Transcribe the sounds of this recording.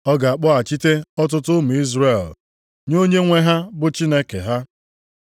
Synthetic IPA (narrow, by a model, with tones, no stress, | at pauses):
ɔ˦ɡa˨a˨k͡pɔ˦a˨t͡ʃi˦te˦ɔ˦t̬ʊ˦tʊ˦mʊ˨i˦zre˦˨l | ɲo˦ɲe˦ŋʷe˦ɦa˦bʊ˦t͡ʃi˦ne˦kḛ˨ɦa˦